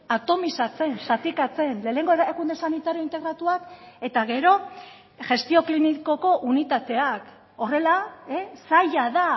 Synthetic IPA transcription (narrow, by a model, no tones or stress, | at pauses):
at̪o̞misat͡se̞nsat̪ikat͡se̞nle̞ːne̞ŋɡoeɾakund̪e̞sanit̪aɾjoint̪e̞ɣɾat̪uake̞t̪aɣe̞ɾo̞ | ʝe̞st̪io̞kliniko̞ko̞ʔunit̪at̪e̞ak | o̞re̞laesajaða